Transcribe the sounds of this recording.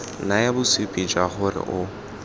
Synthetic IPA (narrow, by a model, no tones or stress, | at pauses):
najabʊsipʼid͡ʒaχʊrɪ̰ʔʊ